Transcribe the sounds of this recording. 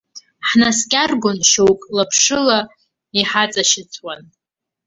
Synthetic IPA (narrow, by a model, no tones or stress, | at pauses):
ħnaskʲʼarɡʷʊnʃowkʼlapʰʂɨla | iħat͡sʼaʃɪt͡sʰʼwan